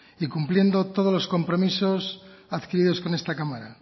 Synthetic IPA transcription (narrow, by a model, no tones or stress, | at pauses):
ikumplje̞nd̪ot̪oð̞olosko̞mpɾo̞misosaðkiɾiðo̞sko̞nest̪akamaɾa